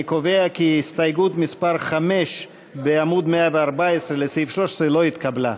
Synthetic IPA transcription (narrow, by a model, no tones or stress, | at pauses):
koveakiist̪ajɡut̪mispaɾχame̞ʃ | beamud̪meaveaʁbaesʁelesifʃlo̞ʃe̥sʁelo̞it̪kabla